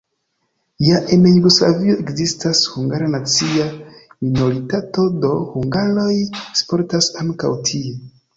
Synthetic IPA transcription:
jaʔenjuɡusla̰vioe̞kzistashuŋɡaɾanat͡siamino̞ɾitato̞do̞huŋɡalo̞jspo̞ɾtasaŋka̰wtʰie

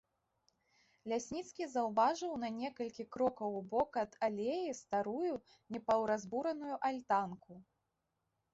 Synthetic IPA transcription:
lʲasʲnʲit̪skʲizɐwvaʐɨwnɐnʲɛkɐlʲkʲikɾɔkɐwbɔkɐd̪̥alʲejist̪aɾuju | nʲɛpɐwɾazbuɾɐnujuʔalʲt̪anku

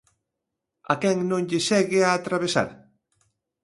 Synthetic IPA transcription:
a̰kɛŋnõŋʎeʃɛɣɪaːt̪ɾaβesa̰ɾ

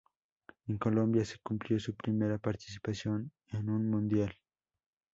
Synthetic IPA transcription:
eŋko̞lõ̞mbjase̥kumpljo̞supɾime̞ɾapaɾt̪i̥si̥pasjo̞n | enũnmũnd̪jal

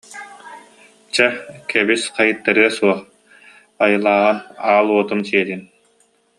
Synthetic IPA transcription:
t͡ɕɛkɛbisqajɯt̪ːaɾɯɐsuɔχ | ajɯlˠaːʁɯnaːlˠuɔt̪umsiɛt̪in

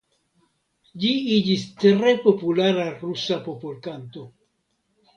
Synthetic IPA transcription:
d͡ʒiid͡ʒistɾe̞po̞pulaɾaɾusapo̞polkanto̞

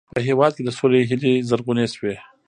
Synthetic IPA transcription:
pəɦewɑd̪̚ked̪əsoleɦɪlizaɾɡuneswe

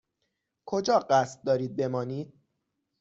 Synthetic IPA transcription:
kʰod͡ʒɒːɢæst̪̚d̪ɒːɾiːd̪̚be̞mɒːniːd̪̥̚

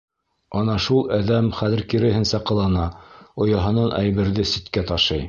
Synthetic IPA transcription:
ɒnɑʃulˠæðæmχæðɘ̆ɾkiɾɘ̆ɦɘ̆nsæqɤ̆lˠɑnɑŏjɑɦɤ̆nɑnʔæ̰jβɘ̆ɾðɘsit̪kæt̪ɑʃɤj

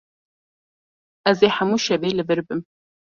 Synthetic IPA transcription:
ɐzeħamuʃɐveːlɨvɨrbɨm

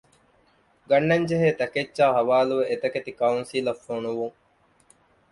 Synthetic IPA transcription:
ɡɐnːɐɲd͡ʒeɦeːt̪ɐket͡ʃːʃaːɦɐʋaːluʋeet̪ɐket̪ikɐunsilɐfːoːnuʋuŋ

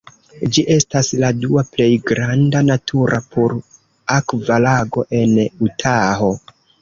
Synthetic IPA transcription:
d͡ʒiʔe̞stasladuaple̞jɡɾandanatʰuɾʔapʰoɾ | akvalaɡo̞ʔe̞nutʰaɦo̞

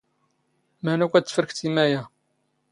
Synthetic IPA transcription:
mænukʷæt͡sːfəɾəkt͡simæjæ

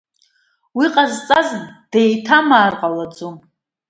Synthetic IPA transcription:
wiqʼazt͡sʼazd̥ejtʰamaːrqʼalad͡zom

